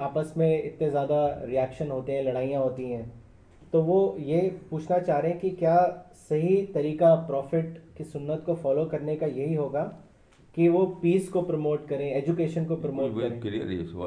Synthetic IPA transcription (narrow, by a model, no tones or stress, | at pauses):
aːpəsmẽɪ̰t̪nẽzjaːd̪aɾiɛːkʃənɦoːt̪eɦɛ̃lɐɽ̃aːijãɦoːt̪iɦɛ̃ː | t̪oʋojepuːt͡ʃʰnat͡ʃaːɦɾeɦɛ̃kikjaː | sɐɦit̪ɐɾiːkapɾɔːfɪʈkisʊnːət̪kofɔːloːkɐɾnekajɐɦiɦoːɡaː | kiʋopiːskopɾɐmoːʈkɐɾẽeːd͡ʒukeːʃənkopɾɐmoːʈkɐɾẽː